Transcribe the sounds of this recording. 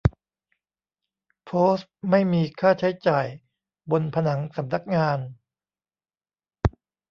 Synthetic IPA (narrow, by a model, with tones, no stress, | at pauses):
pʰoː˦˥st̚ma˥˩jmiː˧kʰaː˥˩t͡ɕʰa˦˥jt͡ɕaː˨˩j | bo˧npʰa˧na˩˦ŋsa˩˦mna˦˥˩k̚ŋaː˧n